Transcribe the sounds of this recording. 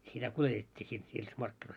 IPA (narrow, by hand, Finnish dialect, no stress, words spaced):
sitæ kuletetʲːiː sit niːs mɑrkːinois